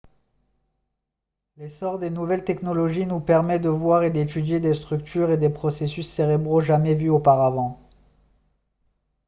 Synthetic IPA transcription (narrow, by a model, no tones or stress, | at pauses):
lesɔʁd̪enuvɛlt̪ɛknɔlɔʒinupɛʁmɛd̪əvwaʁed̪et̪yd̪jed̪est̪χyk̚t̪ʰyʁed̪epχɔsesysːeʁebʁoʒamɛvyopaʁavɑ̃